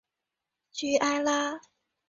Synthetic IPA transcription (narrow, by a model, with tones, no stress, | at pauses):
t͡ɕy˧˥ʔa˥ɪla˥